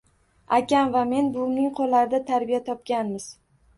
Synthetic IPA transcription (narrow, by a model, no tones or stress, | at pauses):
akʲanvame̞nbʊnɪŋqʰolːaɾɪd̪at̪ʰaɾbijat̪ʰɒp̚kʲanmɪz̥